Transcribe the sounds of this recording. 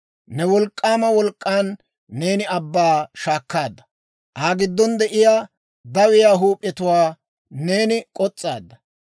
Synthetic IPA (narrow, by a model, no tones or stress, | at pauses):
nɛwɔlkʼːaːmɐwɔlkʼːaːnː | e̞ːnɪɐbːaːʃaːkːaːd̪ːɐ | ʔaːɡɪd̪ːɔnd̪ɛʔɪjaː | d̪ɐwɪjaːɦuːpʼːjɛt̪ʊwaː | ne̞ːnɪkʼɔt͡sʼːa̰ːd̪ːɐ